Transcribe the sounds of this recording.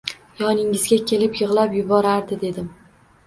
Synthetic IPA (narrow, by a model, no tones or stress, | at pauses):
jɒnɪŋɪzɡʲakʲʰe̞lɪpjɨʁlˠapjʊbɒɾaɾd̪ɪd̪e̞d̪ɪm